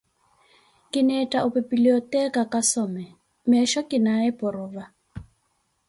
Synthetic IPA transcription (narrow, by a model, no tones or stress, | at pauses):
kʼɪnɛtʼaʔʊpʼebiliɔtʼɛkʼakʼasɔmɛ | mɛʃɔkʼɪnaɛpʼʊrʊːva